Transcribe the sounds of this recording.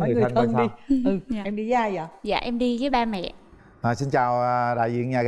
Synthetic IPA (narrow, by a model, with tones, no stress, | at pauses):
ŋɨ˨˩˨tnʰəa˨˧˩nʰɗi˧ɨ˨˩˧ʔɛ˧mɗi˧za˧jza̰ː˧˩ja̰ː˧˨ʔɛ˧mɗi˧kəː˨˦jɓaː˧mɛ̰˧˨ | ʔəː˨˩si˧nt͡ɕaː˨˩wɗa̰ː˧˨jzḭ˧˨nɲaː˨˩ɣ